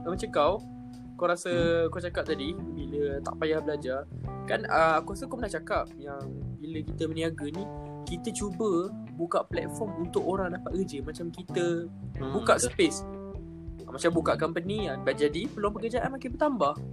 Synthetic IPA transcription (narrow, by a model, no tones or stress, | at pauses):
əmat͡ʃakaw | kawɾasəkawt͡ʃakap̚t̪adibilət̪a̰ʔpajahbəlad͡ʒarkanəakuɾasəkaonaht͡ʃakap̚jaŋbiləkit̪əməniaɡənĩ | kit̪ət͡ʃubə | bukaʔplɛ̰t̪̚fɔmunt̪ʊkoɾaŋdapat̪ɡəd͡ʒəmat͡ʃamkit̪əbukaʔsəpes | mat͡ʃambukaʔkampənianbaʔ̚d͡ʒadipəlwaŋpəkəd͡ʒaʔanmakanbət̪ambah